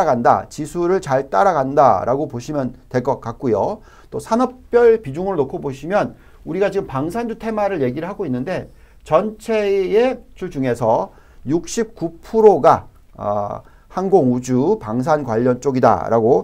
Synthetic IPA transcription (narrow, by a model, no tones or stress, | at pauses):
aɡanda̰t͡ɕisʰuɾɯɭt͡ɕaɭt͈aɾaɡanda̰ɾaɡopoɕʰimjʌntwe̞ɭk͈ʌk͈ak̚k͈ujo | t͈osʰanʌp̚p͈jʌɭpid͡ʑuŋɯɾonokʰoboɕʰimjʌn | uɾiɡad͡ʑiɡɯmpaŋsʰand͡ʑutʰe̞maɾɯɭje̞ɡiɾɯɭɦaɡoinːɯnde̞ | t͡ɕʌnt͡ɕʰe̞et͡ɕʰuɭd͡ʑuŋe̞sʰʌ | juk̚ɕ͈ʰip̚k͈upʰuɾoɡa̰ | hanɡoŋud͡ʑupaŋsʰanɡwaʎːʌnt͡ɕ͈oɡida̰ɾʔa̰ɡo